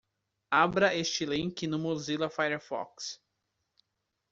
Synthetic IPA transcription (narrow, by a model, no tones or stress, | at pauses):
abɾɐest͡ʃɪlĩŋkʲɪnũmozilɐfajeɾfɔ̰ks